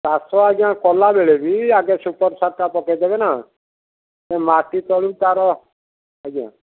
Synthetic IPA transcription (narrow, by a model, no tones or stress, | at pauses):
taːsɔːaːɡãːkɔːlaːbeːɭebʱiːaːɡeːsupəɾsaʈaːpɔːked̪eːbɛːnaː | t̪ɛːmaːʈit̪ɔːɽit̪aːɾɔː | əɡã̰ː